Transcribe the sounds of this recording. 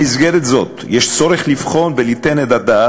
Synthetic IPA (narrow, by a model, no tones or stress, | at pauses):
izɡeɾet̪zo̞t̪jeʃt͡so̞ɾeχlifχo̞nvelit̪enet̪ad̪a